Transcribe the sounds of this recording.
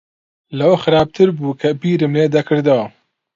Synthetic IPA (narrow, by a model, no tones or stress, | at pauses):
lɐwɐxɨɾaːb̚t̪ʰɨɾbuːkʰɐbiːɾɨmleːd̪ɐkʰɨɾd̪ɐwɐ